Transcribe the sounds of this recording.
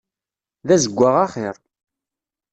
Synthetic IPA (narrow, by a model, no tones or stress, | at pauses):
ðæzəɡʷːaʁaχɪɾˤ